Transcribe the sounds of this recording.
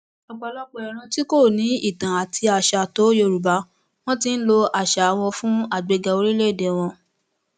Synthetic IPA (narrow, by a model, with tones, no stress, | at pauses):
ɔ˧ɡ͡ba˧lɔ˦k͡pɔ˦ɛ˨ɾ̃ã˧ti˦ko˦˨nĩ˨˦i˦˨tã˨a˨tʰi˧a˨ʃa˨to˨˦jo˧˨ɾu˨ba˨˦ | w̃ɔ̃˦tĩ˧n̩˦lo˧a˨ʃa˨˦w̃ɔ̃˧fũ˦a˦˨ɡ͡be˨˧ɡa˧o˧ɾi˦le˦˨de˨˦w̃ɔ̃˧